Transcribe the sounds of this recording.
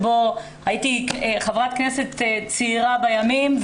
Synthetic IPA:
bo | hajitieχavʁat̪kne̞se̞t̪t͡siiʁabajamimv

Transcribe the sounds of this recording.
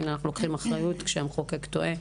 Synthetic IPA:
inanaχnulokχimaχʁajut̪kʃeamχokekt̪oʔe

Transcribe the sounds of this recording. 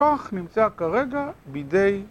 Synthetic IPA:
oaχnimt͡sakaʁeɡabidej

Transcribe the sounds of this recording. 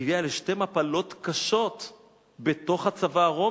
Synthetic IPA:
vialeʃte̞mapalo̞tkaʃo̞t | be̞to̞χat͡savaːʁo̞

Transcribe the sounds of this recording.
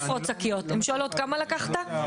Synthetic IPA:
fʁot̪t͡sakijot̪emʃoalot̪kamalakaχt̪a

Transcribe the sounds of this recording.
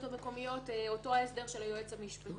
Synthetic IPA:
tameko̞mijo̞teo̞to̞aesd̪eʁʃelajoet͡samiʃpa

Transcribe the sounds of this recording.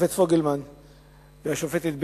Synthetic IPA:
fet̪foɡelman | vehaʃofet̪et̪̚b

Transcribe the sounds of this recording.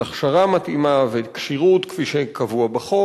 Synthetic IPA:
aχʃaʁamat̪imavekʃiʁutkfiʃekavuabaχo

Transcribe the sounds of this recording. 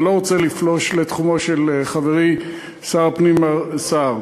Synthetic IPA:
lo̞ʁot͡seliflo̞ʃle̞t̪χumo̞ʃelχaveʁi | saʁpnimasaʁ

